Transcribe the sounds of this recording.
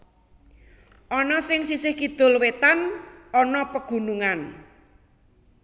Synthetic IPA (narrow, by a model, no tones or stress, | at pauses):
ʔɔnɔsɪŋsisɪhkid̪̥ʊ̤lwet̪anɔnɔpəɡ̥ṳnuŋan